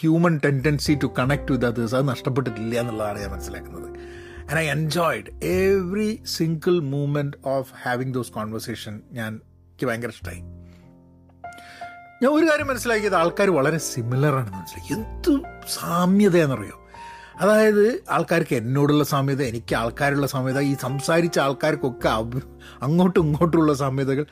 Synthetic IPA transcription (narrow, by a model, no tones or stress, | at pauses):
hjuːmɐnʈe̞nɖensitukɐɳek̚ʈud̪ɐt̪ɨsɐðɨnɐʂʈɐp̬ːe̞ʈ̬ːɨtilːɐjɐenːuɭːɐðaːɳɨɲaːnmɐnɐsːilaːkːunːɐðɨ | ɐ̃nɖɐjend͡ʑoːjɖeʋrisiŋɡɨlmuːmenʈoːfhæːʋiŋd̪oːskoːnʋɐrseːʂɐnɲaːn | ikʲːiʋɐŋɡɐɾɐsʈɐ̰jm | ɲaːno̞ɾukaːɾjɐmːɐnɐsːilaːkʲːijɐðɨaːɭkaːɾuʋɐɭɐɾe̞similɐraːɳenːɨʋɐnsilːɐend̪usaːmjɐðɐenːɐrḭjo̰ː | ɐðaːjɐðɨa̰ːɭkaːɾkːenːo̞ːɽuɭːɐsaːmjɐðɐenikʲːɨaːɭkaːɾuɭːɐsaːmjɐðɐiːsɐmsaːɾit͡ɕːɐaːɭkaːɾkːo̞kːeɐ | ɐŋːo̞ːʈːɨuŋːo̞ːʈːuɭːɐs̬aːmjɐðɐɣɐɭ